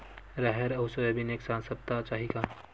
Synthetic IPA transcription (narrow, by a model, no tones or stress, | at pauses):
ɾaɦɛɾɐɦʊsojebineːksãːnsəb̚t̪at͡ʃaːɦika